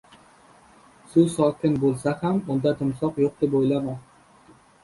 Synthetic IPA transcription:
susɒkʲʰɪnbolˠsahamʊnd̪at̪ʰʊmsɒqjoq̚d̪epojlama

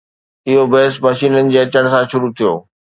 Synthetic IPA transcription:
ɪɦobɐɦsmɐʃiːnənɪ̆d͡ʑeːɐt͡ɕəɽ̃̆sãʃʊɾut̪ʰijo̰ː

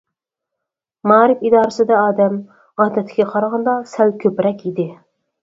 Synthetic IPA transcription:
mɑːɾɪfid̪ɑːɾɨsɨd̪ɛɑːd̪ɛm | ʁɑːt̪ɛt̪ʰːɪɡʲɛqʰɑɾʁɑnd̪ɑsælkʲʰøpɾɛkʲid̪ɪ

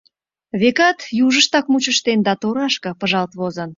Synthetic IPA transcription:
βekɑt̪juʒəʃt̪ɑkmut͡ɕəʃt̪end̪ɑt̪oɾɑʃkɤ̆pəʒɑlt̪βozən

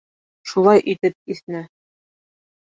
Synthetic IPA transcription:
ʃulˠɑjʔit̪ɘp̚iθnɘ

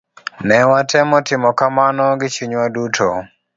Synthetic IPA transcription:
nɛwatʰɛmɔtɪmɔkamanɔɡɪt͡ʃuɲwadutʰɔ

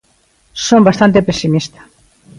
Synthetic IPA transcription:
sombast̪ant̪epesimist̪ḁ

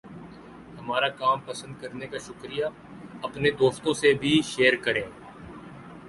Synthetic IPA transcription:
hɐmaːɾakaːmpɐsə̃nd̪̚kɐɾnekaʃʊkɾija | ɐpned̪oːst̪õsebʱiʃeːəɾkɐɾẽː

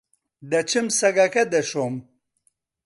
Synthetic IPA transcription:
d̪ɐt͡ɕʰimsɐɡakɐd̪eʂom

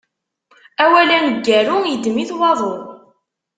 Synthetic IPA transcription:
æwælænəɡːæɾujəd̪miθwɑðˤoʁ

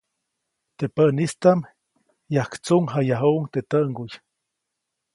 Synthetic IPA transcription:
t̪epənist̪am | jahkt͡suŋɦajaɦuʔuŋt̪et̪əʔŋɡuj

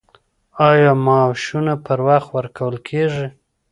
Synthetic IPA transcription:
ɑjɑmɑʃunapəɾwaxt̪wəɾkʰawəlkʰeʐi

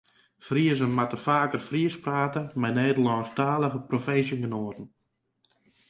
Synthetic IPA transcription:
friəzənmatərfaːkərfriəspraːtəmɛjneːdəlˠɔːnstaːlˠəɣəprofesjəŋɡənoətən̩

